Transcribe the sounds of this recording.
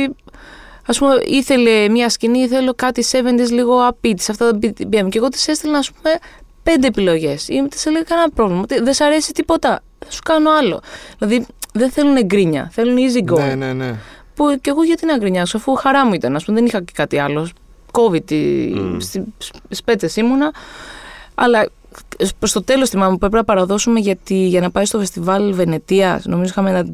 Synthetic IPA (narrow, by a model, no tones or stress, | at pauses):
i | ɐspume̞ʔiθe̞le̞mɲɐsciniθelo̞kɐt̪ise̞vend̪izliɣo̞ɐpit̪i̥sɐft̪ɐðbibiemuce̞ɣo̞t̪i̥sest̪elnɐspume̞pe̞nd̪e̞ːpilo̞ʝe̞simt̪i̥seleɣɐkɐenɐpɾo̞vlimɐot̪iðesɐɾe̞sit̪ipo̞t̪ɐ | ðesu̥kɐnoɐlo̞̰ðilɐðiðenθe̞luneɡɾiɲɐ̰θe̞luniziɡo | puce̞ɣoʝɐt̪inɐɡɾiɲɐksuɐfuxɐɾɐmuit̪ɐnɐspumeðenixɐcekɐt̪iɐlo | ko̞vid̪̚ḭst̪isspe̞t͡sesimunɐ | ɐ̰lɐ | pst̪o̞t̪e̞lo̞st̪imɐmupue̞p̬ɾenɐpɐɾɐðo̞sumeʝɐt̪iʝɐnɐpɐjst̪ofest̪ivɐlve̞ne̞t̪iɐsno̞mizoixɐmenɐ